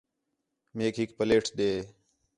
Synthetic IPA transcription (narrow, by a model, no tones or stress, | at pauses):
meːkɦɪkpəleːʈʰɗ̪eː